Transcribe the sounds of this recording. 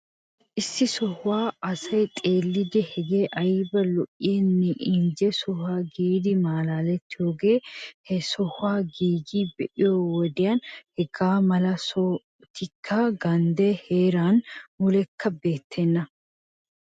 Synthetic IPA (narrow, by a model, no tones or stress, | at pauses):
ʔɪsːɪsɔhʊwaːɐsɐjt̪ʼe̞ːlːɪd̪ɛhɛɡe̞ːʔɐjbɐlɔʔɪjɛnːɛʔɪɲd͡ʒɛsɔhaːɡiːd̪ɪmaːlaːlɛt̪ːɪjo̞ːɡe̞ːhɛsɔhʊwaːɡiːɡiːbɛʔɪjoːwɔd̪ɪjaːnhɛɡaːmɐlɐsɔ | t̪ɪkʰːɐɡɐnd̪eːhe̞ːɾaːnmʊlɛkʰːɐbe̞ːt̪ʰːɛnːɐ